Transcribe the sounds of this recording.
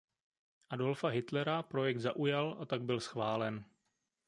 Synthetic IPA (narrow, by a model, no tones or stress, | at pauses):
ʔado̞lfaɦɪt̪lɛɾapɾo̞jɛk̚t̪zaʔujalʔat̪aɡ̚bɪlsxvaːlɛn